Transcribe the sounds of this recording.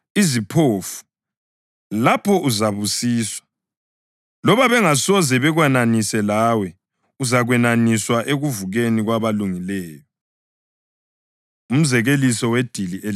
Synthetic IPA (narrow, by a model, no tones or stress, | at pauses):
izipʰoːfu̥ | lapʰɔʔuzaβusiːswḁ | lɔβaβɛŋasɔzɛβɛɣwananisɛlawɛ | uzaɣwɛnaniswaʔeɣuvuɣeniɣwaβaluŋilɛːjɔ | um̩zɛɣelisɔwed̥ʱiliʔe